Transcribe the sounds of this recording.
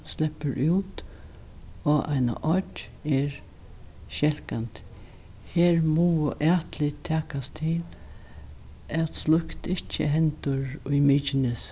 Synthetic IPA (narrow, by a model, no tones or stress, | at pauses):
slɛpːəɾʔuwt̪ | ɔʔa̰jna̰ʔɔt͡ʃ | ɛɹ | ʃɛl̥kant̪ | heːɾmuːəʔæːt̪lɪt̪ʰɛːkast̪ʰɪl | ɛt̪slʊkt̪ɪht͡ʃːə̰ɦɛnt̪ʊɹʊjmiːt͡ʃɪnɪs